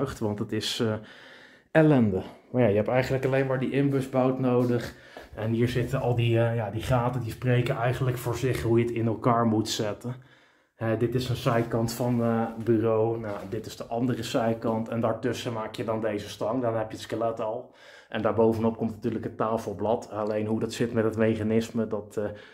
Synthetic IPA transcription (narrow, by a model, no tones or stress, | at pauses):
χtʋɑntətɪs | ɛlɛndəmajajəɦɛptɛjχənləkɑlejnmaːɹdiʔɪmbøsbawtnowdəχ | ɛnɦiːɹzɪtəɑlˠdijadiχaːtədisprejkənʔɛjχənləkfʊːɹzɪχɦujətɪnɛlˠkaːɹmutsɛtən | ɦɛdɪtɪsənsɛjkɑntfɑnbyrownadɪtɪzdəʔɑndərəsɛjkɑntɛndaːɹtʏsəmaːkjədɑndejzəstɑŋdɔnɦɛpjətskəlɛtɔlˠ | ʔɛndaːɹbowvənɔp̚kɔmtnatyːɹləkətaːfəlˠblɑtalejnɦudɑtsɪtmɛtətmejχanɪsmədɑt